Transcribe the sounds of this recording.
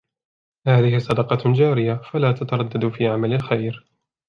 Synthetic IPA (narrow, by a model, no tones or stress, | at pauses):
haːðɪhɪsˤɑd̪ɑqɑd͡ʒaːɾɪjafalaːt̪at̪ɑɾˤɑd̪ːad̪fiːʕamalalxajɾ